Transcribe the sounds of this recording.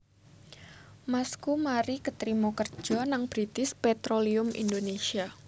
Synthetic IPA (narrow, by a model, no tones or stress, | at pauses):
maskumaɾikət̪ɾimokər̥d͡ʒ̥ɔ̤naŋb̥ɾit̪ɪspɛt̪ɾoliʊmʔḭndonesia